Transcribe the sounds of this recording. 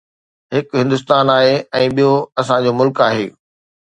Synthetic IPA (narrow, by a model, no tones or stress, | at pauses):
ɦɪkɦɪ̃nd̪ʊs̬t̪aːnaːɦeɛ̃ːɓijoɐsãd͡ʑoːmʊlkaːɦeː